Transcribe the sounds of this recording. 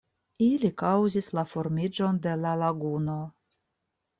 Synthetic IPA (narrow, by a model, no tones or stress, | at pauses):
ilikawzislafo̞ɾmid͡ʒo̞nd̪e̞lalaɡuno̞